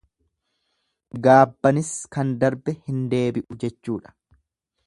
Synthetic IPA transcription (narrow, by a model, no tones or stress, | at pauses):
ɡaːbːɐnɪskɐnd̪ɐɾbɛhɪnd̪e̞ːbɪʔʊd͡ʒɛt͡ʃːuːᶑɐ̥